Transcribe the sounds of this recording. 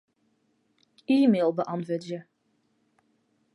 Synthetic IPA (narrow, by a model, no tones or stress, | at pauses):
iːmeːlˠbəʔɑntvøːdjə